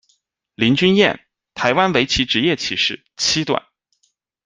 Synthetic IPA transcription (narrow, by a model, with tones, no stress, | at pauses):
li˧˥nt͡ɕy˥njɛ̰˥˩n | t̪ʰa˧˥ɪwa˥nwe˧˥ɪt͡ɕʰi˧˥ʈ͡ʂɻ̩˧˥jɛ˥˩t͡ɕʰi˧˥ʂɻ̩˥˩ | t͡ɕʰi˥t̪wa̰˨˩˦n